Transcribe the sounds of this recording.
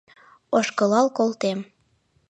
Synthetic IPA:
oʃkɤlɑlkolt̪em

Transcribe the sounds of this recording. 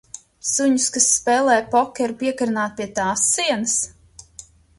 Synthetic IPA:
suɲʊskasːpɛːlˠɛːjpɔkʲɛɾpiɛkaɾnaːt̪̚pʲiɛt̪aːsːiɛnɨs

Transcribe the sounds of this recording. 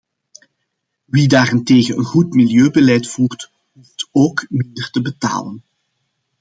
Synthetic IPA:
ʋidaːrɪnteːɣənənɣutmiljøːbəlɛjtfuːrt | ɦuftoːkmɪndərtəbəta̰ːlən

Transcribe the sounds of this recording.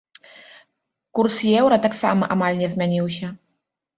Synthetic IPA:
kursjɛwɾɐt̪aksamɐʔamalʲnʲɛzʲmʲanʲiwsʲɐ

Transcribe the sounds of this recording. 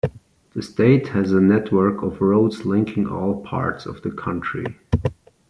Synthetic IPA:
ðɨsteɪthɨzənɛtʰwɜ˞kʰʌvɹoʊdzlɪ̃ŋkʰɪ̃ŋɔ̰lˠpʰɑ̰ɹtsʌ̰vðəkʰʌ̃ntʰɹ̥ḭ

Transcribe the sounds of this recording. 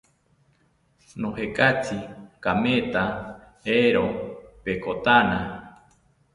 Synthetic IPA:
nõhekat͡sikamẽt̪a | eɾopekot̪anã

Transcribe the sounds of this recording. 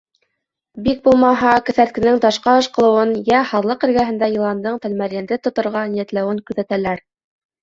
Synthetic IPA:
bik̚bulˠmɑɦɑkɘ̆θæɾt̪̚kɘ̆nɘŋt̪ɑʃqɑɤ̆ʃqɤ̆lˠɤ̆wɤnjæhɑðlˠɤqɘ̆ɾɡæɦɘ̆nd̪æjɤ̆lˠɑnd̪ɤɴt̪ælmæɾjænd̪ɘt̪ŏt̪ŏɾʁɑnijæt̪læwɘŋkʉ̆ðæt̪ælæɾ

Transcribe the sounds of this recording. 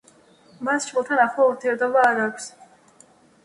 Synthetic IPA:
mast͡ʃʰmɛlˠt̪ʰanaχlˠauɾt̪ʰiɛɾt̪ʰɔbaːɾaːkʷʰs

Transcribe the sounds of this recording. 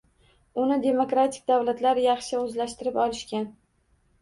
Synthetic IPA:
ʊnɪd̪e̞mokɾat̪ʰɪ̥k̚ʲd̪awlat̪laɾjɑχʃɪɵzlaʃt̪ɪɾɪpɒlɪʃkʲan

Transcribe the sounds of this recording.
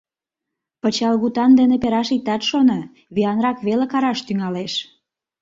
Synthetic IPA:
pət͡ɕɑlɣut̪ɑnd̪enepeɾɑʃik̚t̪ɑt̪ʃonɑ | βiɑnrɑkβelekɑɾɑʃt̪yŋɑleʃ

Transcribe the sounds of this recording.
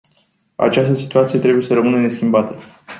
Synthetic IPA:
a̰t͡ʃast̪əsi̥t̪uat̪sije̞t̪ɾe̞buje̞səɾəmɨnəne̞skʲimbat̪ə

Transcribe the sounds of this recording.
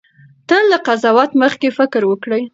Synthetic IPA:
t̪əlːaqazɑwat̪məxkefɪkɾwəkɽəj

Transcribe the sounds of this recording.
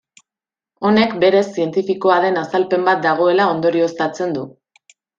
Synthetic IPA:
o̞ne̞kbe̞ɾe̞sːie̞nt̪ifiko̞aðe̞nasalpe̞mbat̪̚d̪aɣ̞o̞e̞lao̞nd̪o̞ɾio̞st̪at͡se̞nd̪u

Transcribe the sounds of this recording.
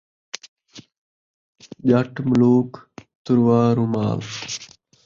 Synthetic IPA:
ʄɐʈmʊluːkt̪ʊɾwaːɾuma̰ːl

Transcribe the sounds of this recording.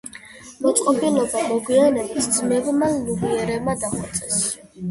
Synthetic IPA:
mɔt̪sʼqʼɔbilɔbamɔɡwianɛbisd̪zmɛbmaluviɛɾɛbmad̪aχɔt̪sʼɛs

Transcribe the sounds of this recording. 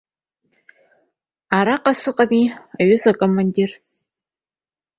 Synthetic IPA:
aɾaqʼasɨqʼamiaɥʊzakʼomandir

